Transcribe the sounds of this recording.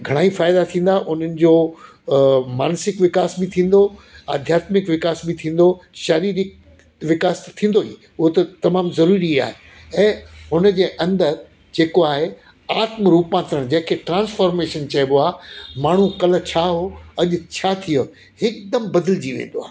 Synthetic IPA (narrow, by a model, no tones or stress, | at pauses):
ɡʱɐɽ̃aːifaːɪd̪at̪ʰĩːn̆d̪aʔʊn̤ənɪ̆d͡ʑoː | maːnsɪkʋɪkaːsbɪt̪ʰĩːn̆d̪oɐ̰d̪ʱjaːt̪mɪkʋɪkaːsbɪt̪ʰĩːn̆d̪oʃɐɾiːɾɪk̚ | ʋɪkaːst̪ʰĩːn̆d̪oiː | ʊɦot̪ɐt̪ɐmaːmzɐɾuːɾia̰ːɦe | ɛ̃ːɦʊnəd͡ʑeːʔɐ̃nd̪əɾ | d͡ʑeːkoaːɦe | aːt̪məɾuːpãːt̪ɾəɽ̃d͡ʑɐ̃ɦɪ̃kʰeʈɾãːnsfaːɾmeːʃənt͡ɕɐboaːmaːɳ̤ũkɐlə̆t͡ɕʰaːɦoɐʄʊ̆t͡ɕʰat̪ʰijo | hɪkd̪ɐmbɐd̪əld͡ʑiʋḛ̃ːn̆d̪oa̰ː